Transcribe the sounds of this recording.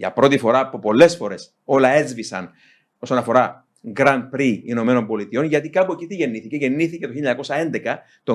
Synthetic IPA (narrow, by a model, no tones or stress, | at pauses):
ʝɐ̰pɾo̞t̪ifo̞ɾɐpupo̞lːe̞sfo̞ɾe̞s | o̞lɐe̞zvisɐ̰n | o̞sonɐfo̞ɾɐ | ɡɾɐn̚pɾiːno̞me̞no̞mbo̞lit̪io̞nʝɐt̪ikɐpuecit̪iʝe̞nːiθice̞ʝe̞nːiθicet̪oilɐɲɐkosɐe̞nd̪ekɐ | t̪o